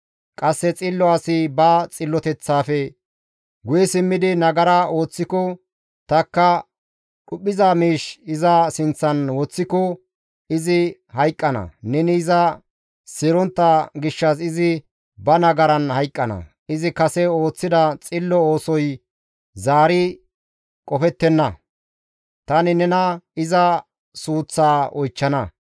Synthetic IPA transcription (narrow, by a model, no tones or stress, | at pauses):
kʼɐsːɛt͡sʼɪlːɔɐsɪbɐt͡sʼɪlːɔt̪ɛt͡sːaːfɛ | ɡʊjɛsɪmːɪd̪ɪnɐɡɐɾɐo̞ːt͡sːɪkɔ | t̪ɐkːɐ | ɗʊpʼːɪzamiːʃɪzɐsɪnt͡sːɐnwɔt͡sːɪkɔ | ɪzɪhɐjkʼːɐnɐ̰nɛnɪːzɐ | sɪɾɔnt̪ːɐɡɪʃːɐs̬ɪzɪ | bɐnɐɡɐɾɐnhɐjkʼːɐnɐ̰ | ɪzɪkɐsɛo̞ːt͡sːɪd̪ɐt͡sʼɪlːɔo̞ːsɔj | zaːɾɪ | kʼɔfɛt̪ːɛnːɐ | t̪ɐnɪnɛnɐɪzɐ | suːt͡sːaːʔɔjt͡ʃːɐnɐ